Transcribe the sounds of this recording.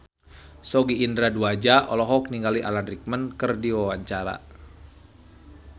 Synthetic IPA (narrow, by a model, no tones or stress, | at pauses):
sɔɡiːndɾaduad͡ʒaʔɔlɔɦɔk̚niŋɡaliʔa̰lanrik̚mənkərdiwawaɲt͡ʃaɾa̰